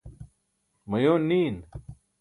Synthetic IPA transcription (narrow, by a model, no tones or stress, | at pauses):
mɐjoːniːn